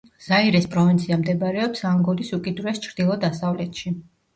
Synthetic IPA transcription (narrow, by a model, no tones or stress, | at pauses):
z̥aiɾɛspʼɾɔvint̪sʰiamd̪ɛbɾɛɔpsaŋɡɔlisukʼid̪uɾɛst͡ʃʰɾd̪ilˠɔd̪asavlɛt̪ʃi